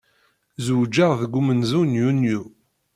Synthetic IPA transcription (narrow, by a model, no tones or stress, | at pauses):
zud͡ʒːəʁðəɡʷːumənzunjunju